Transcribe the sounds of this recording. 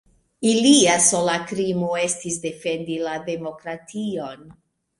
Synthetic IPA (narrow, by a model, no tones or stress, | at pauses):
iliaso̞lakɾimoe̞stisde̞fe̞ndilade̞mo̞kɾatio̞n